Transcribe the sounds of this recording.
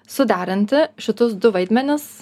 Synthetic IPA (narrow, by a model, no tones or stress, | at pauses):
sʊd̪ʲæːɾʲɪnʲt̪ʲɪʃʲɪt̪ʊsd̪ʊʋɐɪd̪ʲmʲɛnʲɪs